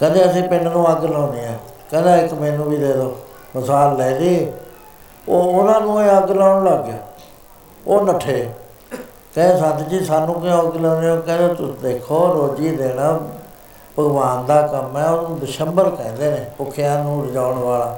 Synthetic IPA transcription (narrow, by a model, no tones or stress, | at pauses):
kə̃d̪eːəsĩːpɪɳnũːəɡlaːniːɛː | kɛ̃ːd̪aːɪkmẽːnũːbiːd̪eːd̪oː | mɪsaːlːɛːd̪iː | oːʊnãːnũːeːəɡlaːʊɳləɡ | oːnəʈʰːeː | kɛ̃ːnesãːnt̪d͡ʒiːsaːnũːkːəɡlːneːoːkɛ̃ːnd̪eːt̪ʊd̪eːkʰoːɾoːd͡ʒiːd̪eːɽ̃ãː | pəɡʋaːnd̪aːkəmɛːoːnũːd̪ɪʃəmbəɾkɛ̃ːnd̪eːneːpʊkʰejãːnũːɾd͡ʒaːʊɳʋaːlaː